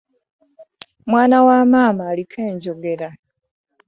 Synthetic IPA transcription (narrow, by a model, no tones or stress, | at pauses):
mwaːnawaːmaːmaːlikʰeːɲɟoɡe̞ɾa